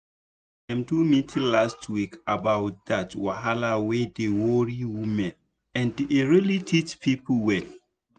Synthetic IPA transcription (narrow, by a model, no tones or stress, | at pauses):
ãmtumitʰilastwikabawt̚datwaɦalawedewɔɹiwumɛ̃n | ɛ̃ndʔeɹilitʰitpʰipəwɛ̃n